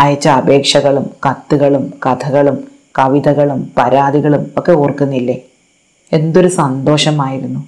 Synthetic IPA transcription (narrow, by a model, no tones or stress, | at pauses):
ɐjɐt͡ɕːɐːbʱe̞ːkʂɐɣɐɭumkɐt̪ːuɣɐɭumkɐt̪ʰɐɣɐɭum | kɐʋid̪ɐɣɐɭumpɐɾaːd̪iɣɐɭumo̞kːe̞oːrkunːilːe | e̞nd̪o̞ɾusɐnd̪o̞ːʂɐmaːjiɾunːu